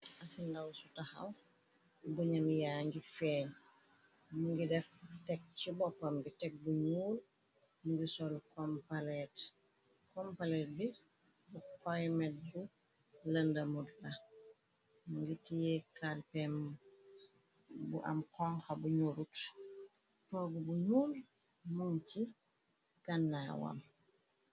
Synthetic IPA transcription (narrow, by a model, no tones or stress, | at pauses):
ʔɐsindɐwsutaxɐ̰w | buɲɐmjaːŋɡifɛːɲ | muŋɡidɛftɛk̚t͡ʃibɔpːɐmbitɛk̚buɲuːɾ | muŋɡisɔlkɔmpalɛt | kɔmpalɛt̚bi | bukɔjmɛt̚d͡ʒu | lɐndɐmudfɐ | ɡitijɛkalpɛm | buʔɐ̰mkɔŋxɐbuɲuːɾut | tɔːɡubuɲuːl | munt͡ʃi | ɡanːaːwa̰m